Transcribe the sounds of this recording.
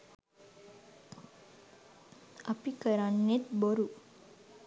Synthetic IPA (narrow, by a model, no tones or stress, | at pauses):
apikəɾanːet̪bəɾu